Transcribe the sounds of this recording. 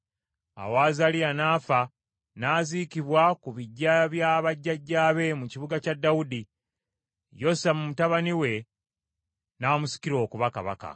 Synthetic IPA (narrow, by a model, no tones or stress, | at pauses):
a̰waːzalijanaːfa | naːzikiβwakuβiɟːaβjaːβaɟːaɟːaːβe̞muciβuɡacadːawudi | jo̞samumutaβaniwe̞ | naːmusi̥kiɾo̞ːkuβaka̰βa̰ka̰